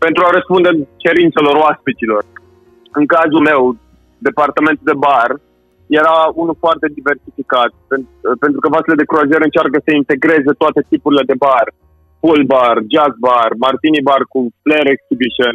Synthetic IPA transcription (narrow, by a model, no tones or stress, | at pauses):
pe̞nt̪ɾuaɾəspund̪et͡ʃe̞ɾint̪seloɾoaspit͡ʃilo̞r | ɨŋkazume̞w | d̪e̞part̪ame̞nt̪uld̪e̞bar | je̞ɾaunulfoart̪e̞d̪ive̞rsifikat̪penpent̪ɾukəvaseled̪e̞kɾuaʒeɾɨnt͡ʃark̬əsəint̪e̞ɡɾe̞ze̞t̪oat̪e̞t̪ipuɾile̞d̪e̞bar | pulbard͡ʒazbarmart̪inibarkufleɾeksibiʃən